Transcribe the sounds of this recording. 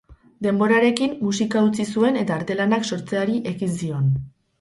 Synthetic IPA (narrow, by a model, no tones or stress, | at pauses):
d̪e̞mbo̞ɾaɾe̞kimːusikaut͡sisue̞ne̞t̪aːɾt̪e̞lanakso̞ɾt͡se̞aɾiʔe̞ɣinsio̞n